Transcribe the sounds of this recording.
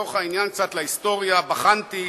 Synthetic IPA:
oχainjank̚t͡sat̪laist̪o̞ʁjabaχant̪i

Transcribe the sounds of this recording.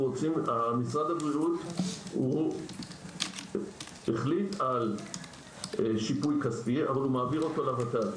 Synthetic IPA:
ʁot͡simamisʁad̪abʁiuthu | eχlital | ʃipujkaspia̰valumaːviʁo̞tolavatal

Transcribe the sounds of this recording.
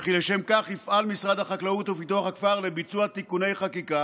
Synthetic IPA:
χileʃe̞mkaχifʔalmisʁad̪haχaklaut̪ufit̪uaχakfaʁle̞bit͡suat̪ikune̞jχakika

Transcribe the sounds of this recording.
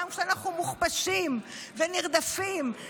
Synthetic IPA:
mkʃeanaχumuχpaʃim | veniʁd̪afim

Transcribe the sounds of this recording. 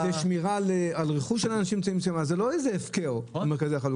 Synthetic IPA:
eʃmiʁalealʁeχuʃelanaʃimt͡saimsjomazelo̞ezeːfkeomeʁkazijaχalu

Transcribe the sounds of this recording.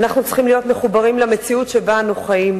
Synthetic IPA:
naχnut͡sχimlijo̞tmeχubaʁimlamet͡siutʃebanuχajim

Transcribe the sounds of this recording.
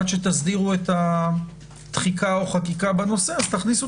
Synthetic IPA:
tʃet̪asdiʁuet̪a | t̪χikao̞χakikabano̞seazt̪aχnisu

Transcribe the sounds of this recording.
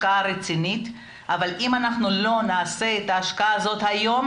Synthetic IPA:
kaaʁet͡sinit̪ | avalʔimanaχnulo̞naːse̞et̪aːʃkaaːzo̞t̪hajo̞m

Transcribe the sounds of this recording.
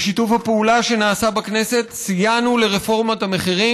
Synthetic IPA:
ʃitufhapeulaʃe̞naːsabakne̞se̞tsijanule̞ʁefo̞ʁmot̪hame̞χiʁi

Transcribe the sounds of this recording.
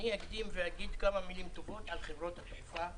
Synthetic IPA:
niakd̪imveaɡid̪kamamilimt̪ovo̞t̪alχevʁo̞t̪haʃufa

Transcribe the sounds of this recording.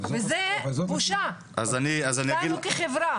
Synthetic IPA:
vezebuʃa | ʔa̰zaniazanijaaɡiukeχevɾa

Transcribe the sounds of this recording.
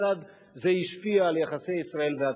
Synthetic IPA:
ad̪ | zeiʃpiaːljaχasejisʁae̞lvea

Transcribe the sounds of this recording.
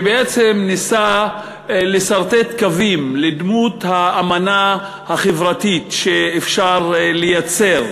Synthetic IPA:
beet͡semnisa | lesaʁt̪et̪kavimled̪mut̪haːmana | haχevʁat̪it̪ʃeːfʃaʁlejat͡se̞ʁ

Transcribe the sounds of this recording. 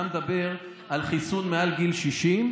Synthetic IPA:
med̪abe̞ʁ | ʔalχisunmealɡilʃiʃim

